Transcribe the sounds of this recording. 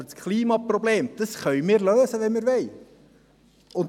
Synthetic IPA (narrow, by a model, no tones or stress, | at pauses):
skχlˠiːmɑprɔbleːmd̥əsχœʏmɪːɾløːzəʋɛnmiːɾʋɛɪ | ʊn